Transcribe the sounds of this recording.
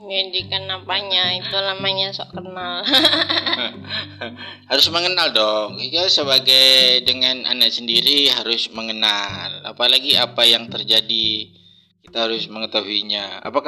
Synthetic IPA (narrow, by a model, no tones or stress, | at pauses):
ɲadikanapaɲait̪ulamaɲasɔʔkənal | haɾʊsməŋənaldɔŋkasəβaɡajdəŋana̰nak̚səndiɾiɦaɾʊsməŋənala̰palaɡiapajaŋt̪ərd͡ʒadi | kit̪aɦaɾʊsməŋət̪aɦuiɲaa̰paka